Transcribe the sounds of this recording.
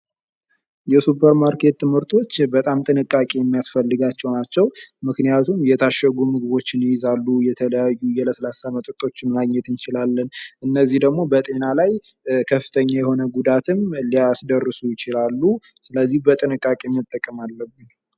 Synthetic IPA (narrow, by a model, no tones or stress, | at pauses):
jɛsupʰəɾmaɾkʰe̞t̪ːɨmhɨɾt̪ʰo̞t͡ʃːbət̪ʼamt̪ʼɨnɨkʼːakʼejɛmːijasfəlːɨɡat͡ʃːɛwnat͡ʃːɛwmɨknijat̪ʰumjɛt̪ʰaʃəɡumɨɡɨβo̞t͡ʃːɪnjɪzalːujɛt̪ʰələjajːujɛləslasamət̪ʼɾt̪ʼo̞t͡ʃːɪnmaɡɲɛt̪ɨnt͡ʃɪlalːənʔɨnːəzːihd̪əɡmo̞bət̪ʼe̞nalaj | kʰəfːɨt̪ʰəɲːajɛho̞nəɡud̪at̪ʰɨmliasd̪ərːɨsujɪt͡ʃɪlalːu | sɨləzːihbət̪ʼɨnɨkʼːakʼemit̪ʼːəkʼːəmalːəbːɨn